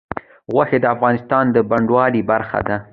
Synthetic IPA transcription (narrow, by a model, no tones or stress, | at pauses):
ɣwaxed̪əafɣɑnɪst̪ɑnd̪əbaɳɖwɑlibaɾxa̰d̪a